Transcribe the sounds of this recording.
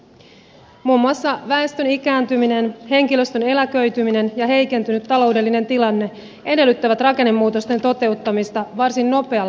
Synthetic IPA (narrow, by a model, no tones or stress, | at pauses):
muːmːuɑsːɑʋæe̞st̪ønik̟æːnt̪ymine̞nhe̞ŋk̟ilø̞st̪øne̞lækø̞ɥt̪ymine̞njɑɦe̞jke̞nt̪ynyt̪ːɑlo̞wde̞lːine̞nt̪ilɑnːe̞ | ʔe̞de̞lːyt̪ːæʋæt̪rɑke̞nːemːuːt̪o̞st̪e̞nt̪o̞t̪e̞ut̪ːɑmist̪ɑʋɑrsinno̞pe̞ɑ